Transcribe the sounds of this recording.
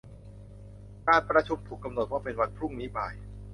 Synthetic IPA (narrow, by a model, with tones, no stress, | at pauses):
kaː˧npɾa˧t͡ɕʰu˧mt̪ʰu˨˩kːa˧mno˨˩t̪̚waː˥˩pe˧nwa˧npʰɾu˥˩ŋni˦˥ba̰ː˨˩j